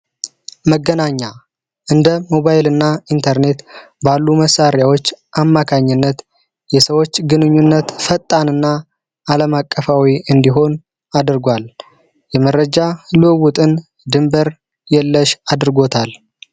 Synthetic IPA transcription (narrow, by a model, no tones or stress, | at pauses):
məɡːənaɲːa | ʔɨnd̪əmo̞βajɪlɨnːaint̪ʰəɾne̞t̪balːuməsaɾjawo̞t͡ʃːʔamːakʰaɲːɨnːət̪ | jɛsəwo̞t͡ʃːɡɨnɨɲːunːət̪fət̪ʼːanɨnːaː | ləmakʼːəfawiɨnd̪iɦo̞n | ad̪ɨɾɡʷal | jɛməɾːəd͡ʒalɨwut̪ʼɨn | d̪ɨmbəɾ | jɛlːəʃad̪ɾɡo̞t̪ʰal